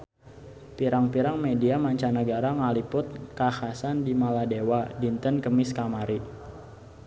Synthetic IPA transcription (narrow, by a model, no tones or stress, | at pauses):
piɾaŋpiɾaŋmediamaɲt͡ʃanəɡaɾaŋalipʊt̪̚kahasandimaladewadint̪ənkəmɪskamaɾi